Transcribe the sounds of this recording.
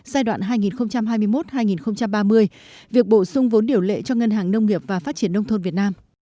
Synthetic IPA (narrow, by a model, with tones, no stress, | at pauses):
zaː˧jɗwa̰ː˧˨nɦaː˧jŋi˨˩nxə˧wŋ͡mt͡ɕa˧mɦaː˧jmɨ˧əjmo˦˥t̚haː˧jŋi˨˩nxə˧wŋ͡mt͡ɕa˧mɓaː˧mɨ˧əj | vi˨˩ək̚ɓo˧˩sʊ˧ŋ͡mvo˨˦nɗi˧˩əwlḛ˧˥t͡ɕɔ˧ŋə˧nhaː˨˩ŋnə˧wŋ͡mŋi˨˩əp̚vaː˨˩faː˦˥t̚t͡ɕi˧˩ənːə˧wŋ͡mt̪ʰo˧nvi˨˩ət̚naː˧m